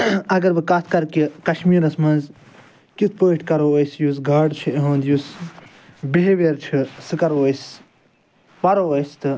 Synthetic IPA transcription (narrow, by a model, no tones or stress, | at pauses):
ɐɡɐɾbɨkɐt̪ʰkɐɾkikɐʃmiːɾɐsmɐnz | kit̪ʰpəːʈkɐɾowɐjsjus̬ɡaːɖt͡ʃʰiiɦɐ̃ːnd̪jus | beɦeʋeːɾt͡ʃʰisɨkɐɾʋɐjs | pɐɾoːʋɐjst̪ɨ